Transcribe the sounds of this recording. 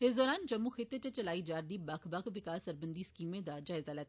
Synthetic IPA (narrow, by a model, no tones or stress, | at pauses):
eːsd̪ɔːɾaːnd͡ʒɐmːuxɪt̪ːet͡ʃɐt͡ʃɐlaːid͡ʒaːɾd̪iːbaːkʰbaːkʋɪkaːsːɐɾbə̃nd̪iskiːmẽd̪ad͡ʒaːɪzaːlɛt̪